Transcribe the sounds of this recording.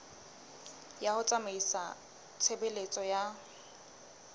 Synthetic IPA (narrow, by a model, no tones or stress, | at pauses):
jahʊt͡sʼameisa | t͡sʰebelet͡sʼɔja